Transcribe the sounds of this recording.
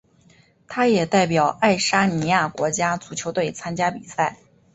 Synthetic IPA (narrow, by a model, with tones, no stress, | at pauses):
t̪ʰa˥jɛ˨˩t̪a˥˩ɪpjɑ˨˩ʊa˥˩ɪʂa˥ni˧˥ja˥˩kwɔ˧˥t͡ɕja˥t͡su˨˩t͡ɕʰjo˧˥ʊt̪we˥˩ɪt͡sʰa˥nt͡ɕja˥pi˨˩sa˥˩ɪ